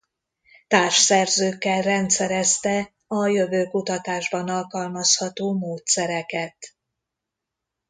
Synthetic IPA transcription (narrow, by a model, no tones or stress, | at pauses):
t̪aːrʃsɛrzøːkːɛlrɛnt̪sɛɾɛst̪ɛ | ɒjø̞vøːkut̪ɒt̪aːʒbɒnɒlkɒlmɒshɒt̪oːmoːt̪sɛɾɛkɛt̪